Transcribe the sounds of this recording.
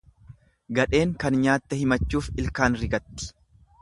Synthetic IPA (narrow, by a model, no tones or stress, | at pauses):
ɡɐᶑe̞ːŋkɐnɲaːt̪ːɛhɪmɐt͡ʃːuːfɪlkaːnɾɪɡɐt̪ːɪ̥